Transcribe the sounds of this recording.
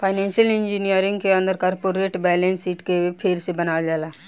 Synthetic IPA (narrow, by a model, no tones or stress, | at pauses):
pʰaːɪnɛ̃ːnʃjəlɪ̃nd͡ʒinijəɾɪ̃ŋɡkeə̃nd̪əɾkɔːɾpoːɾeːʈbɛːlẽnsiːʈkeepʰeɾsebɐnaːd͡ʒaːlaː